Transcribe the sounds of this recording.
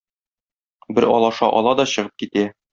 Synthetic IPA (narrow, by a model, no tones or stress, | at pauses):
bɘɾɒ̰lˠɑʃɑ̰ʔɒlˠɑd̪ɒɕɤ̆ʁɤp̚kit̪æ